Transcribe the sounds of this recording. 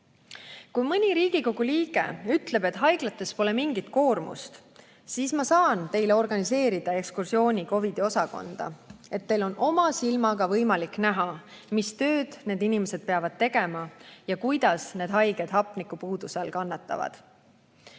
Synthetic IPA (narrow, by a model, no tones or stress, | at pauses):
kujmɤnʲiɾiːɡ̥iko̞ɡ̥uliːɡ̥e̞̰yt̪le̞be̞t̪ɦɑjɡ̥lɑt̪ːˑe̞spo̞le̞miŋɡit̪ko̞ːrmṵst̪ | siːsmɑsɑːnt̪e̞jle̞o̞rɡ̥ɑnise̞ːɾid̪̥ɑe̞kskursio̞ːnʲiko̞vid̪̥io̞sɑko̞̰nd̪̥ɑ̰e̞t̪ːe̞jlo̞nʔo̞mɑsilmɑɡ̥ɑvɤjmɑlikːˑnæɦɑ | mist̪ø̞ːd̪̥ne̞ːd̪inime̞se̞d̪̚pe̞ɑvɑd̪̥̚t̪ːe̞ɡ̥e̞mɑjɑkujd̪̥ɑsne̞ːd̪̥ɦɑjɡ̥e̞d̪̥ɦɑpˑnikːˑupuːd̪usɑlkɑnːɑt̪ːˑɑ̰vɑ̰d̪̥